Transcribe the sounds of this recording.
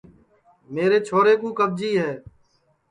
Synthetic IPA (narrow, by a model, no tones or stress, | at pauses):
meːɾeːt͡ʃʰoːɾeːkũːkəb̚d͡ʒiːɦɛː